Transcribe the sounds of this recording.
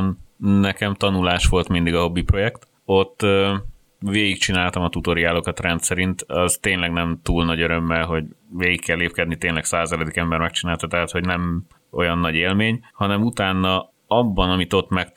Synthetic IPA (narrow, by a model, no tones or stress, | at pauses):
nnɛkɛmt̪ɒnulaːʃʋo̞lt̪mind̪iɡɒɦo̞bːipro̞jɛkt̪ | o̞t̪ːø | ʋeːɡikt͡ʃinaːlt̪ɒmɒt̪ut̪o̞ɾiaːlokɒt̪rɛnt̪sɛɾint̪ɒzt̪eːɲlɛɡnɛmt̪uːlnɒɟøɾø̞mːɛlɦo̞ɟveːɡikːɛlːeːpkɛd̪nit̪eːnlɛksaːzɛlɛd̪ikɛmbɛɾmɛk̚t͡ʃinaːlt̪ɒt̪ɛɦaːt̪ho̞ɟnɛm | o̞̰jɒnːɒɟeːlmeːɲhɒnɛmut̪aːnːɒ | ɒbːɒnɒmit̪o̞t̪ːmɛk